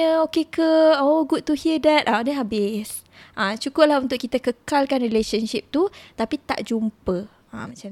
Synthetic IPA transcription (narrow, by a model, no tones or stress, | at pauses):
əokekəoɡud̪̚t̪uhiədɛt̪̚adəabɪs | ʔãt͡ʃukʊp̚laɦunt̪ʊʔkːit̪əkəkalkanrileʃənʃip̚t̪ut̪apit̪a̰ʔd͡ʒumpə | a̰mat͡ʃa